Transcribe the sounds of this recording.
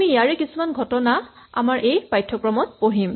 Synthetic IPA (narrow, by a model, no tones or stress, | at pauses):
mijaɹɛkisumanɡʱɔtɔna | a̰maɹʔejpajtʰːɔkɹɔmɔt̚poɦim